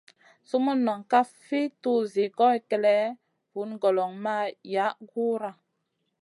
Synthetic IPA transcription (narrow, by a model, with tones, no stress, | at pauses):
su˦mu˦nːɔ˨ŋka˦ffi˦tu˦˨zi˨kɔ˦i˨kɛ˨lɛ˦ | vu˨˦nɡɔ˨lɔ˨ŋma˦ja˨˦ɡu˦ɾa˨